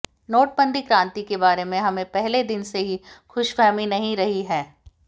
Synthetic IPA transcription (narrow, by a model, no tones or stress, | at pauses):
noːʈ̚bə̃nd̪ʱikɾãːnt̪ikebaːɾemẽɦɐmẽpɛɦled̪ɪnseɦixʊʃfɛːminɐɦĩɾɐɦiɦɛː